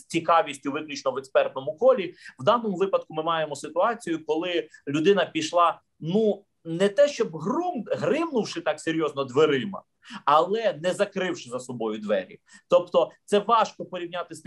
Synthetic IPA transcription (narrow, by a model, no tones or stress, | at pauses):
t͡sʲikɑʋʲisʲtʲʊʋɪklʲit͡ʃnɔʋɛkspɛrt̪̚nɔmʊkɔlʲiwd̪ɑnɔmʊʋɪpɐd̪̚kʊmɪmɑjemɔsɪt̪ʊɑt͡sʲijʊkɔlˠɪlʲʊd̪ɪnɐpʲiʃlˠɑ | nu | nɛt̪ɛʃt͡ʃɔbɦɾumɦɾɪwnʊwʃɪt̪ɑkseɾʲjɔznɔd̪ʋeɾɪmɐ̰ | ɐlˠɛnɛzɐkɾɪwʃɪzɐsɔbɔjʊd̪ʋɛɾʲḭt̪ɔpt̪ɔt̪sɛʋɑʃkɔpɔɾʲiwnʲat̪ɪst̪